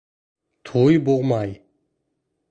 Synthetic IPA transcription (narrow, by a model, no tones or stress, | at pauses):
t̪ʰojboʁmɑj